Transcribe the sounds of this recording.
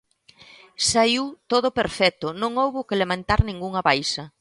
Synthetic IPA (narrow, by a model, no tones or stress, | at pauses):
sajuwt̪oð̞ʊpeɾfɛt̪ʊnõŋowβʊkelemant̪aɾnĩŋɡuŋɐβajsɐ